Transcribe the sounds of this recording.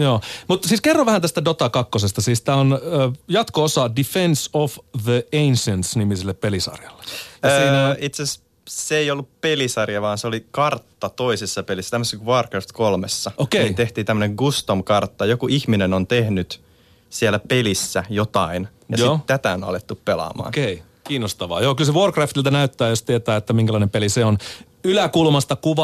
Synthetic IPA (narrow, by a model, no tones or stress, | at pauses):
joːmut̪siːskerːɑʋʋæhænt̪æst̪ædot̪ɑkɑkːosest̪ɑsiːst̪æːonəːjɑt̪koosɑdifensofðəensensnimiselːeppelisɑ̰rjɑlːe̥ɑsːiːnoit̪ses | seeijolːuppelisɑrjɑʋɑːnseolikɑrt̪ːɑt̪oisesːɑpelisːæt̪æmːəsekʋoːrkrɑft̪kolmesːɑokeelit̪eht̪iːt̪æmːəneŋɡust̪omkɑrt̪ːɑjokuʔihminenont̪ehnyt̪ | sielːæpelisːæjot̪ɑin | jɑjoitt̪æt̪æonoɑ̰let̪ːuppelɑ̰mɑ̰ːnkei | kiːnost̪ɑʋɑ̰ːjoːkylseʋorkræft̪ilt̪ænæyt̪ːæːjost̪iet̪æːet̪ːæmiŋkælɑˑinempeliseon | ylækulmɑst̪ɑkuʋɑ